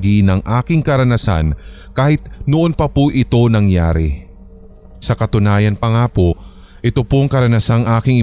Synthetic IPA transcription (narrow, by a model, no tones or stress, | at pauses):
ɡinɐŋʔaːkɪŋkɐɾɐnɐsa̰nkaːhɪt̪̚noʔonpɐpoʔɪt̪o̞nɐŋja̰ːɾɛ | sɐkɐt̪ʊnaːjɐnpɐŋaːpo | ʔɪt̪opoŋkɐɾɐnɐsaŋʔaːkɪŋʔɪ